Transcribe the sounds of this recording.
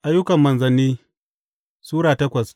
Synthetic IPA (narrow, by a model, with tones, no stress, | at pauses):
ʔa˦jːʊ˦kɐ˨mːɐ˨nzɐ˨nːiː˦ | suː˦ɽaː˨tɐ˦kʷɐ˨s